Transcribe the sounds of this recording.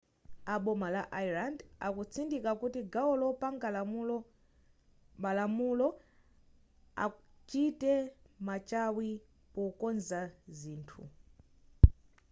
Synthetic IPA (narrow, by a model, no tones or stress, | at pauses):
aɓɔmalaʔailanda̰kut͡sʰindikakutiɡaɔlɔpaŋɡa | malamulɔ | a̰ | t͡ʃitɛmat͡ʃawi | pɔkɔnzaziːntʰṵ